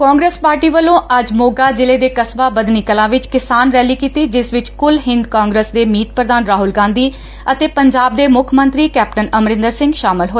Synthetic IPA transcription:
kãːŋɡɾeːspaːɾʈiːʋəlːõːʔəd͡ʒmoːɡaːd͡ʒɪleːd̪eːkəsbaːbəd̪niːkəlãːʋɪt͡ʃkɪsaːnɾɛːliːkiːt̪iːd͡ʒɪsʋɪt͡ʃkʊlɦɪ̃nd̪kãːŋɡɾəsd̪eːmiːt̪̚pɾəd̪aːnɾaːɦʊlɡãːnd̪iː | ət̪eːpəɲd͡ʒaːb̚d̪eːmʊkʰmə̃nt̪ɾiːkɛːp̚ʈənəmɾɪ̃nd̪əɾsɪ̃ŋɡʃaːmɪlɦoː

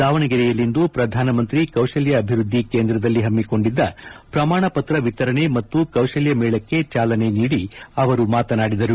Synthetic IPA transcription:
d̪aːʋɐɳɐɡiɾɛjɐlind̪upɾɐd̪ʱaːnɐmɐnt̪ɾikɐwʂɐljɐːbʱiɾud̪ʱːikeːnd̪ɾɐd̪ɐlːiɦɐmːiko̞ɳɖid̪ːɐpɾɐmaːɳɐpɐt̪ɾɐʋit̪ɐɾɐɳe̞mɐt̪ːukɐwʃɐljɐmɛːɭɐkːe̞t͡ʃaːlɐne̞niːɽiɐʋɐɾumaːt̪ɐnaːɽid̪ɐɾu

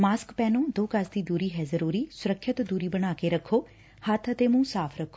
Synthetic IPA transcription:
maːskpɛːnõːd̪oːkəsd̪iːd̪uːɾiːɦɛːzəɾuːɾiːsʊɾəkʰːɪt̪d̪uːɾiːbəɽ̃aːkeɾəkʰːoː | hət̪ʰət̪eːmũːsaːpʰɾəkʰːo

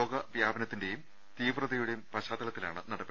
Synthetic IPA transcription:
oːɡɐʋjaːbɐnɐt̪ːinde̞jum | t̪iːʋrɐðɐjuɽejumpɐɕaːt̪ːɐlɐt̪ːila̰ːɳɨnɐɽɐpː

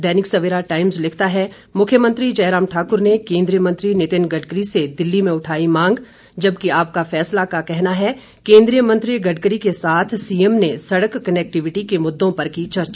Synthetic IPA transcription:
d̪ɛːnɪksɐʋɪɾaʈaːɪmzlɪkʰt̪aɦɛ | mʊkʰːjəmə̃nt̪ɾid͡ʒɐːɾaːmʈʰaːkʊɾnekẽːnd̪ɾijəmə̃nt̪ɾinɪt̪ɪnɡɐɖkəɾised̪ɪlːimẽʊʈʰaːimãːŋɡ | d͡ʒɐbkiaːp̚kafɛːslakakɛɦnaɦɛ | kẽːnd̪ɾijəmɐ̃nt̪ɾiɡɐɖkəɾikesaːt̪ʰsiːəmnesɐɽəkːɐnɛːk̚ʈɪʋɪʈikemʊd̪ːõpɐɾkit͡ʃɐɾt͡ʃ

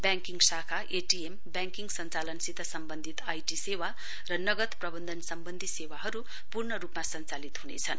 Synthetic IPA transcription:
bjaŋkiŋɡsakʰaʔeʈiembjaŋkiŋɡsʌnt͡salʌnsid̪ʱʌsʌmbʌnd̪ʱit̪ajʈisewa | rʌnʌɡʌt̪prʌbʌnd̪ʱʌnsʌmbʌnd̪ʱisewaɦʌɾu | purnʌɾupmasʌnt͡salit̪ɦunḛt͡sʰʌ̰n

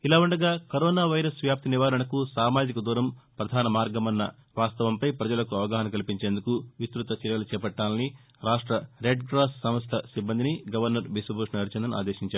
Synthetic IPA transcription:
ilaːuɳɖɐɡaːkɐɾɔːnaːʋɐjɾɐsʋjaːp̚t̪iniʋaːɾɐnɐkusaːmaːd͡ʒikɐd̪uːɾɐmpɾɐd̪ʱaːnɐmaːɾɡɐmɐnːɐ | ʋaːst̪ɐʋɐmpɐjpɾɐd͡ʒɐlɐkuɐʋɐɡaːɦɐnɐkɐlipiɲt͡ʃeːnd̪ukuʋist̪ɾut̪ɐt͡ʃiɾʋɐlut͡ʃɛːpɐʈːaːlɐni | ɾaːʂʈɾɐɾeɖɡɾaːssɐmɐst̪ʰɐsibːɐnd̪iniɡɐʋɐɾnɐɾbisubʱuːʂnɐɐɾut͡ʃɐnd̪ɐna̰ːd̪eːʃiɲt͡ʃaːɾu

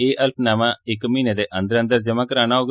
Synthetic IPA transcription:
eːʔəlpʰnaːmãːɪkmiːneːd̪eːʔə̃nd̪əɾə̃nd̪əɾd͡ʒəmãːkəɾaːnaːoːɡ

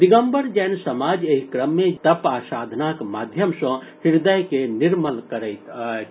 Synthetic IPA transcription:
d̪iɡəmbəɾd͡ʒɛːnsəmad͡ʒeɦikɾəmːet̪əpaːsaːd̪ʱnakmad̪ʱjəmsə̃hiɾd̪əjkeniɾməlkəɾɛɪtt̪

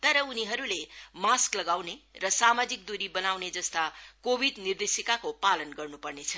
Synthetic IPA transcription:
t̪ʌɾʌuniɦʌɾulemasklʌɡawnerʌsamad͡zik̚d̪uɾibʌnawned͡zʌst̪akobʱid̪nird̪esjikakopalʌnɡʌrnupʌrnet͡sʰʌ

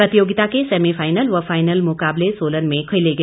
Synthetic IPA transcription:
ɾət̪ijoɡit̪akesemipʰajnəlʋapʰajnəlmʊkaːblesoːlənmẽkʰəjleɡe

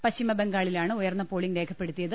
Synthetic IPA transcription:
pɐɕimɐbeŋɡaːɭilaːɳɨujɐrnːɐpoːɭiŋɡle̞ːkʰɐpːe̞ɽut̪ːijɐðɨ

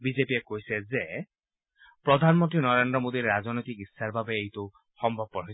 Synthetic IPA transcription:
bid͡ʒepiekojseze | pɾɔd̪ʱanmɔnt̪ɾinɔɾend̪ɾɔmod̪iɾɾaznojt̪ikisːaɾbʱabeejt̪o | xɔmbʱɔb̚kɔɾɦoj

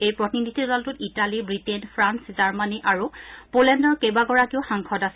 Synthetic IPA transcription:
ejpɹɔtinidʱidɔltʊtitalibɹitenpʰɹanszaɹmaniʔaɹupolɛndɔɹkejbaɡɔɹakiʊxaŋkʰɔdasɛ

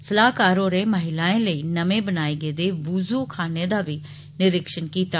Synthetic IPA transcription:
səlaːkaːɾõːɾeməɦɪlaːẽːləiːnəmẽbənaːiɡed̪eːʋʊzuːkʰaːned̪aʋi | nɪɾɪkʃənkiːt̪aː

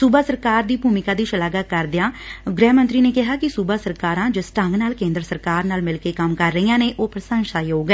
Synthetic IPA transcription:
sʊbaːsəɾkaːɾd̪iːbuːmɪkaːd̪iːʃəlaːɡakəɾd̪ɪjãːɡɾɛːmənt̪ɾiːneːkɪɦaːkɪsubaːsəɾkaːɾãːd͡ʒəsʈə̃ŋɡnaːlkẽːnd̪ɾsəɾkaːɾnaːlmɪlkeːkəmkəɾːəiːãːneːʔoːpɾəsə̃ŋsaːjoːɡɛː

